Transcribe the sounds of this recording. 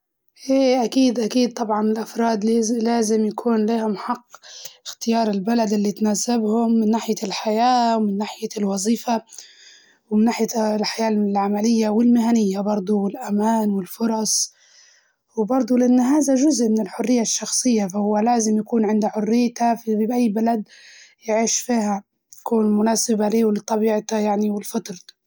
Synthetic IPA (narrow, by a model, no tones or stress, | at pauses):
ʔeːʔakiːd̪ʔakiːd̪̚t̪ˤɑbʕɑnɪlʔafɾˤɑːd̪llaːzɪmjakʰuːnliːhʊmħɑqːɪxt̪ɪjɑːɾˤɪlbalad̪ɪlːit̪naːsabhʊmːɪnːaːħɪjalħajaːwmɪnːaːħɪjalwɑzˤiːfa | wmɪnːaːħɪjalħajaːɪlʕamalɪjːawɪlmɪɦanɪjːabɑɾˤd̪ˤuɪlʔamaːnwɪlfʊɾˤɑsˤ | wbɑɾˤd̪ˤulɪʔanːaɦaːzaʒʊzʔmɪnɪlħʊrːɪjːaʃːɑxsˤɨjːafahʊwːalaːzɪmjakuːnʕɪnd̪aħʊrːɪjːt̪afiʔajːbalad̪jɪʕiːʃfiːha | jakuːnmʊnaːsɪbaleːwlɪt̪ˤɑbiːʕt̪ajaʕniwɪlfat̪ɾˤ